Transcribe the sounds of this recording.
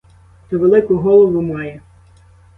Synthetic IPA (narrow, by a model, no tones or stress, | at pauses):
t̪ɔʋelˠɪkʊɦɔlˠɔʋʊmɑjɛ